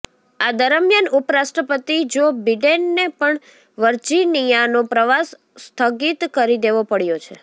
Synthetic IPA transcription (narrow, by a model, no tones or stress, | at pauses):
ad̪əɾəmjənupəɾasʈɾəpət̪id͡ʒobiɖenːepəɳ | ʋəɾd͡ʒinijanõpɾəʋasː | t̪ʰəɡit̪kəɾid̪eʋopəɽjot͡ʃʰe